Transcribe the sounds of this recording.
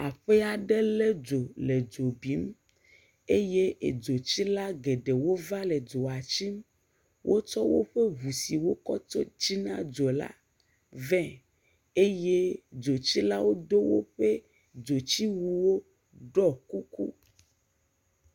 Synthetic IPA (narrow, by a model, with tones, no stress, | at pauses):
a˨ɸe˦a˨ɖe˦le˦d͡ʒo˨le˨d͡ʒo˨bi˨˦m | e˦je˦ʔḛ˨d͡ʒo˨t͡ɕi˦la˦ɡe˨ɖe˨wo˦va˦le˨d͡ʒo˨a˨t͡ɕi˦m | wʔo˦t͡ʃɔ˦wo̰˦ɸe˦βu˨si˨wo˦kɔ˦t͡ʃɔ˦t͡ɕi˦nã˦d͡ʒo˨la̰˦ | vɛ̃˦ | e˦je˦d͡ʒo˨t͡ɕi˦la˦wo˦d̪o˦wo̰˦ɸe˦ | d͡ʒo˨t͡ɕi˦wu˦wo˦ | ɖɔ˦ku˦kṵ˦